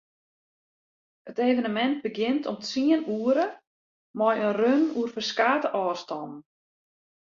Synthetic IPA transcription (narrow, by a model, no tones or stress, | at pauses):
əteːvənəmɛnt̚bəɡɪntʰɔmtiənuəɾə | mɔjənrønuərfərskaːtəʔɔːrstɔnn̩